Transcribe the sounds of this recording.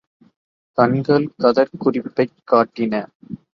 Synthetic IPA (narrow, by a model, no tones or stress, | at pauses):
kɐnɡɐɭkɐðɐɾkʊrɪpːɐɪkːaːʈːɪnɐ